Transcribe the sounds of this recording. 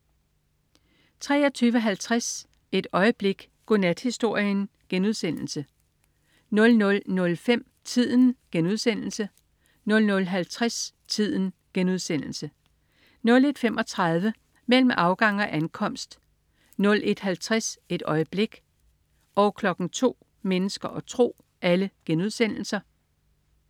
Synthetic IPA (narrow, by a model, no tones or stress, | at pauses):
t͡sʰʁɛ̰ːɒt͡sʰyːʋəɦælt͡sʰʁas | e̝d̥ɒ̽ɪəb̥le̝ɡ̥ | ɡ̥onæd̥hisd̥o̝ɐ̰jən | ɡ̥enuð̞ˠsen̰l̩sə | nɔ̽lnɔ̽lnɔ̽lfem̰ | t͡sʰið̞̰ˠn̩ɡ̥enuð̞ˠsen̰l̩sə | nɔ̽lnɔ̽lɦælt͡sʰʁas | t͡sʰið̰ˠn̩ɡ̥enuð̞ˠsen̰l̩sə | nɔ̽le̝d̥femʔɒ̽t͡sʰʁɑ̈ðˠʋə | mel̰m̩ɑ̈ʊɡ̥ɑ̈ŋ̰ɒ̽ʔænkʰɒ̽m̰sd̥ | nɔ̽lʔe̝d̥hælt͡sʰʁase̝d̥ɒ̽ɪəb̥le̝ɡ̥ | ʔɒʊkʰlɒ̽ɡ̥n̩t͡sʰo̝̰ː | menəsɡ̥ɐʔɒ̽t͡sʰʁo̝̰ː | ʔæləɡ̥enuð̞ˠsen̰l̩sɐ